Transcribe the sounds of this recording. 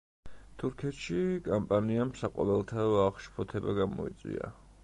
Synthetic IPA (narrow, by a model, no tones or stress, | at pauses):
t̪ʰuɾkʰɛt̪ʃikʼampʼaniamsaqʼɔ̰vɛlˠt̪ʰaaʁʃpʰɔt̪ʰɛbaɡamɔ̰ḭt̪sʼḭa̰